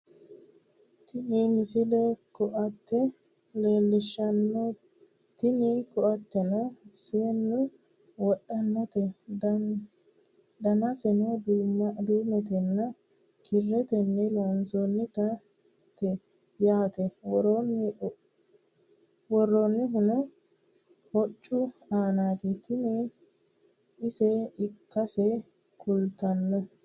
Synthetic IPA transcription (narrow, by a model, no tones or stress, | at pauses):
t̪ɪnimɪsɪlɛkɔʔt̪ːɛ | leːlːɪʃːɐnː | t̪ɪnikɔʔɐt̪ːɛnɔseːnːʊ | wɔɗːɐnːɔt̪ɛ | d̪ɐnɐsɛnod̪umɐd̪uːmɛt̪ɛnːɐ | kɪrːɛt̪ɛnːɛlonsonːɪt̪ɐ | t̪ɛ | jaːt̪ɛwnːɪ | wɔrːonːɪɦʊnʊ | hɔt͡ʃʼːʊaːnaːt̪ɪt̪ɪnɛ | ɪsɛɪkːɐsɛ | kʰʊlt̪ɐnːɔ